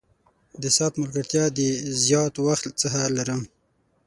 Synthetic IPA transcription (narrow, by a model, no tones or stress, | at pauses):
d̪əsɑt̪mʊlɡaɾt̪jɑd̪əzjɑt̪waxt̪t͡səxalaɾəm